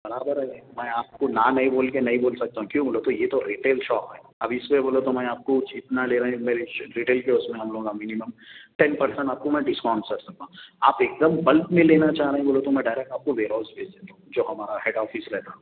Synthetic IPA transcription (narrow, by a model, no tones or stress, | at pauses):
bɐɽaːbəɾɦɛmɛ̃ːaːp̚konanɐɦĩboːlkenɐɦĩboːlsɐk̚t̪aɦũkjũːboːlot̪ojet̪oɾiːʈeːlʃɔːpɦɛːɐbɪsweboːlot̪omɛ̃aːp̚kot͡ʃɪt̪naleːɾɐɦẽmeːɾeɾiːʈeːlkeʊsmẽɦɐmloːɡamɪniməmʈɛ̃npɐɾsə̃ɳʈaːp̚komɛ̃ːɖɪskɔ̃ːɳnsɐɾʈsɐk̚t̪ãɦũaːpeːk̚d̪əmbɐlpmẽleːnat͡ʃaːɦɾɐɦẽboːlot̪omɛ̃ɖaːɪɾɛk̚ʈaːp̚koʋeːɾɔːlsbeːd͡ʒd̪eːt̪aɦũd͡ʒoːɦɐmaːɾaɦeːɖɔːfɪsɾɛɦt̪aɦɛ